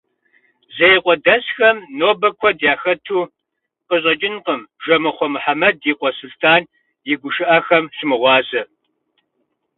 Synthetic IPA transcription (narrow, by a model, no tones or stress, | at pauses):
zɐjqʷʼɔdɐsxɐmnoːbɐkʷʰɔdjaːxɐtʰuː | qəɕ̬ʼɐt͡ʃʼɪnqəmʒɐmɨχʷɔmħamɐdiːqʷɔsʊɬtʰaːn | jɪɡʷʊʃɨʔɐxɐmʃɪmɨʁʷɑːzɐ